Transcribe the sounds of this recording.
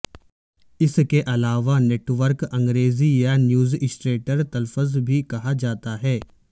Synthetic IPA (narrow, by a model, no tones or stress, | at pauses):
ɪskeʔɐlaːʋaneːʈʋəɾkɐ̃ŋɡɾeːzijanjuːzɪsʈɾeːʈəɾt̪ɐlfəzbʱikɐɦad͡ʒaːt̪aɦɛː